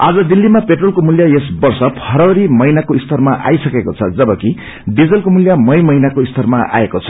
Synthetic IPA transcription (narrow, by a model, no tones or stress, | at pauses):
ad͡zʌd̪ilːimapeʈrolkomuljajesbʌrsʌpʰʌɾʌɾimʌjnakoist̪ʌrmaʔa̰jsʌkekot͡sʰʌd͡zʌbʌki | ɖid͡zʌlkomuljamʌjmʌjnakoist̪ʌrmaa̰ekot͡sʰʌ̥